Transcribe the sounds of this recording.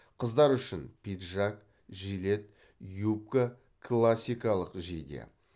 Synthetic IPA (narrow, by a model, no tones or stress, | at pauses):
qʰəzd̪ɑɾʏʃɪnpʲʰit̪ʒak | ʒijle̞t̪̚ | jup̚kə | kʰlˠasʲijkɑlˠəqʒḛjd̪ḛ